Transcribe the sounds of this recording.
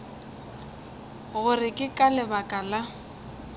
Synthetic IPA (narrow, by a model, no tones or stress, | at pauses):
ɣʊrɪkʼɪkʼalɪbakʼala